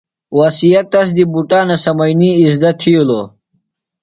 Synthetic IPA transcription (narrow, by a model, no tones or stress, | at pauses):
wasijɐt̪̚ːɐs̬d̪ibuʈaːnɐsɐmɐjniːzd̪ɐt̪ʰiuloː